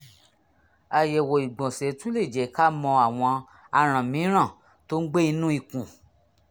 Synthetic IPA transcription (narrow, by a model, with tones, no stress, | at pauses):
a˨je˨wo˨i˨ɡ͡bɔ̃˨se˨˦tũ˦le˦˨d͡ʒɛ˨˦ka˦mɔ̃˧a˨w̃ɔ̃˧ | a˧ɾ̃ã˨mĩ˨˦ɾ̃ã˦˨ | to˦n̩˦ɡ͡be˦i˧nũ˦i˧˨kũ˨